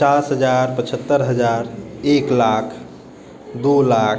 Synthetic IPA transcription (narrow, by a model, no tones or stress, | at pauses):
t͡ʃasɦəd͡ʒaɾpət͡ʃʰət̪ːəɾɦəd͡ʒaɾeklakʰ | d̪ulak